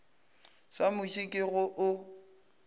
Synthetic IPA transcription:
samʊʃikʼɪɣʊʔʊ

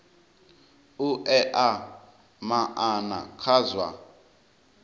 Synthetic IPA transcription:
uʔɛʔa | maʔana̰kʰazwa̰

